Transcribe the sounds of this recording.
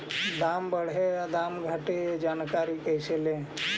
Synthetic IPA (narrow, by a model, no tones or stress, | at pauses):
d̪ambəɽ̤ead̪amɡʱaʈed͡ʒankaɾikəjselẽ